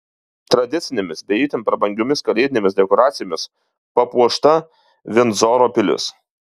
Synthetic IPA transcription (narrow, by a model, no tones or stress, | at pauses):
t̪ɾɐd̪ʲɪt̪sʲɪnʲemʲɪsbʲɛiːt̪ʲɪmpɾɐbɐŋʲɡʲomʲɪskɐlʲɛɪt̪ʲɪnʲeːmʲɪsd̪ʲɛkoɔːɾaːt̪sʲɪjoːmʲɪs | pɐpuɔʃt̪ɐ | ʋʲɪnzɔːɾoːpʲɪlʲɪ̰s